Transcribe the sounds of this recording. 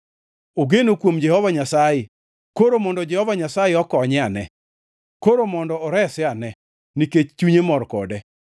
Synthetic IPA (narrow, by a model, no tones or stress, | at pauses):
oɡenokwomd͡ʒɛhɔvaɲasajɪ | koɾomɔndɔd͡ʒɛhɔvaɲasajeɔkɔɲɛanɛ | koɾomɔndɔːɾɛsɪanɛ | niket͡ʃt͡ʃuɲemɔrkɔ̰dɛ